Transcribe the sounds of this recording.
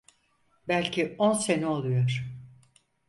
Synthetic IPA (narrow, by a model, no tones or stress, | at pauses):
bælʲcʰionseniolˠujoɾ̥